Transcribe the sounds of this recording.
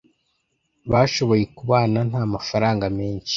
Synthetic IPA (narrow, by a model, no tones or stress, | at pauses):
βaːʃo̞βo̞je̞kuβaːnan̥haːmafaɾaːŋɡame̞ːɲʃi̥